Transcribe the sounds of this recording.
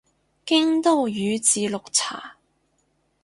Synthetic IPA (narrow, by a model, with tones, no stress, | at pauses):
kɪ˥ŋt̪o˥wjyː˨˧t͡siː˨˧lʊ˨k̚t͡sʰa̰ː˨˩